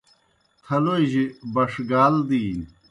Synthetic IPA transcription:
t̪ʰɐloʑibɐʂɡaːld̪iː

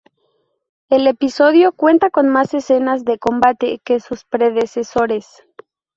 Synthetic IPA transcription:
e̞le̞piso̞ðjo̞kwe̞nt̪ako̞nmase̞se̞nazðe̞ko̞mbat̪e̞ke̞suspɾe̞ðe̞se̞so̞ɾe̞s

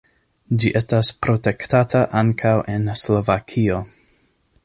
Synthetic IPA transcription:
d͡ʒiʔe̞staspɾo̞te̞ktataʔaŋkʰawʔe̞nslo̞vakʰio̞

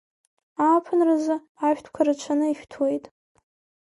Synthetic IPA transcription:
apʰɨnrazɨ | aʃᶣtʰkʷʰaɾat͡ʃʷʰanɨiʃᶣtʰwe̞jtʼ

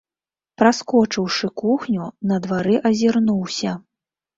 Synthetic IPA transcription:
pɾaskɔt͡ʂɨwʂɨkuxnʲunɐd̪vaɾɨʔɐzʲirnuwsʲɐ

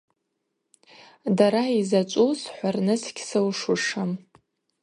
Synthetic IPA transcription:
daɾaizat͡ʃʷʼusħʷarnɨsɡʲʰsɨwʂʊʂam

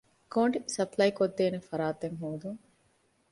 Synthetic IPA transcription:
koːɳɖisɐplɐjkod̪ːeːnefɐɾaːt̪eŋɦoːd̪uŋ

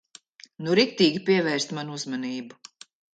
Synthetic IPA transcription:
nuɾikt̪iːɡʲipʲiɛvɛːɾst̪manuuzmaniːbu

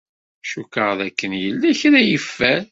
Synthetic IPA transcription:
ʃukəʁðækːənjəlːæçɾæjəfːæ

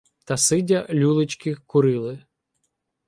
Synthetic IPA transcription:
t̪ɐsɪdʲɐlʲulˠɪt͡ʃkɪxkʊɾɪlˠɪ

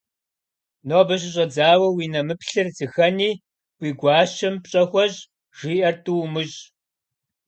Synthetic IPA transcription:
noːbɐɕɪɕ̬ʼɐd͡zaːwɐwiːnɐmɨpɬɨrzɨxɐniː | wʷiːɡʷɑːɕɐmpɕʼɐxʷɔʑ | ʒ̥iːʔɐrtʰʼuwmɨɕ

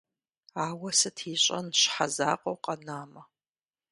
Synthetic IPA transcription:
aːwɐsɨtʰiːɕʼɐ̰nɕħazaːqʼɐwqʼɐnaːmɐ

